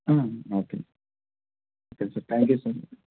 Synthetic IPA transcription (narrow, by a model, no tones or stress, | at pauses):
ãːoːkḛ | oːkesɐɾt̪ʰæ̃ŋkjusɐɾsəɾ